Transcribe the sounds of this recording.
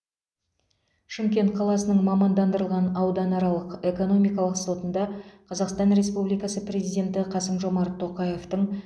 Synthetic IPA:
ʃɪmkʲe̞nt̪̚qʰɑlˠɑsənəɴmɑmɑnd̪ɑnd̪əɾəlˠʁɑnɑwd̪ɑnɑɾɑlˠəqe̞ko̞no̞mijkɑlˠəqso̞t̪ənd̪ɑqʰɑzɑqst̪ɑnɾe̞spublijkɑsəprʲe̞zijdʲe̞nt̪ɪqʰɑsəmʒo̞mɑɾt̪ʰːo̞qɑje̞ft̪əɴ

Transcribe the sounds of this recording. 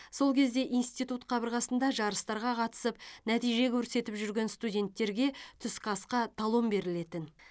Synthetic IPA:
so̞lˠkʲʰe̞zd̪e̞ʔijnst̪ijt̪ut̪qʰɑbəɾʁɑsənd̪ɑʒɑɾəst̪ɑɾʁɑqʰɑt̪ə̥səp̚næt̪ijʒe̞kʲʰɵɾse̞t̪ɪpʒʏɾɡʲe̞nst̪udʲe̞nt̪ːe̞ɾɡʲe̞t̪ʰʏskʰɑsqɑt̪ʰɑlˠombe̞ɾɪle̞t̪ɪn

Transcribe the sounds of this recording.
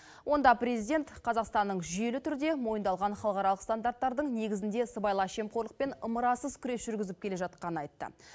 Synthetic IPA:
wʔo̞nd̪ɑpɾʲe̞zijd̪ʲe̞nt̪qʰɑzɑqst̪ɑnːəɴʒʏje̞lɪt̪ʰʏɾɪd̪e̞mo̞jənd̪ɑlˠʁɑnχɑlˠqɑɾɑlˠəqst̪and̪aɾt̪ːɑɾd̪əɴne̞ɡʲɪzɪnd̪e̞səbɑjlˠɑʃe̞mqʰoɾlˠəq̚pe̞nəməɾɑsəzkʲʰʏɾe̞sʒ̥ʏɾɡʲɪzɪp̚kʲele̞ʒɑt̪qɑnəɑjt̪ːə̰

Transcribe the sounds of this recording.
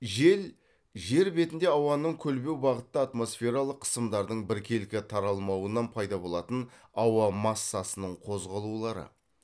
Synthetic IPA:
ʒe̞l | ʒe̞ɾbe̞t̪ɪnd̪e̞ɑwɑnəɴkʲʰɵlbe̞wbɑʁət̪ːəat̪mo̞sfʲe̞ɾɑlˠəqʰːə̥səmd̪ɑɾd̪əɴbɪɾkʲʰe̞lɪkʲɪt̪ʰɑɾɑlˠmɑwənɑnpʰɑjd̪ɑbo̞lˠɑt̪ən | ɑwɑmɑsːɑsənəɴqʰo̞zʁɑlˠulˠɑɾə̰

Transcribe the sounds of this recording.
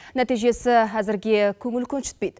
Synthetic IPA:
næt̪ijʒe̞sɪɦæzɪɾɡʲe̞kʲʰɵŋɪlkʲʰɵnʃɪ̥t̪pejd̪

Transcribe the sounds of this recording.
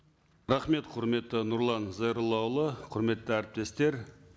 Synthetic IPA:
ɾɑχme̞t̪qʰʊɾme̞t̪ːɪnʊɾlˠɑnzɑjɾlˠɑwlˠəqʰʊɾme̞t̪ːɪæɾɪp̚t̪e̞st̪e̞ɾ

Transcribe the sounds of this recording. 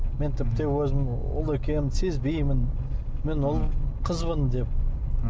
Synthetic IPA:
ment̪ʰɪp̚t̪e̞wɵzɪm | wʊ̰lˠekʲe̞nɪmsezbijmɪn | menwʊlˠqʰəzmənd̪e̞p̚

